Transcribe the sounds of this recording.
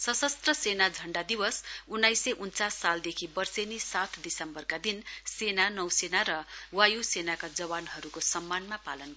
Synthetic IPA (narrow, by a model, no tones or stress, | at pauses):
sʌsʌst̪rʌsenad͡zʱʌɳɖad̪iwʌsunːajsʌʔunt͡sasːald̪ekʰibʌrsenisat̪ʰd̪isʌmbʌrkad̪insenanʌwsenaɾʌwajusenakad͡zʌβanɦʌɾukosʌmːanmapalʌn